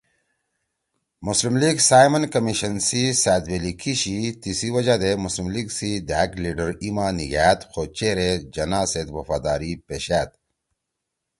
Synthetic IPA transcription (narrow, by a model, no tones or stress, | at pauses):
muslimliɡsaːjmɐnkɐmiɕɐnsisæːd̪welikʰiɕit̪isiwɐd͡ʑad̪emuslimliɡsid̪æːɡliɖəɾimanḭɡaːt̪xoːt͡ɕeːɾed͡ʑɐnaːset̪wɐfaːd̪aːɾipeɕæːt̪